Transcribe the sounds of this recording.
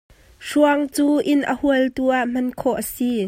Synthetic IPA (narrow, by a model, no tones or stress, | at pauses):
ʂuəŋt͡suːʔɪnʔə̰huəlt̪uːʔaʔm̥ɐnkʰɔʔəsi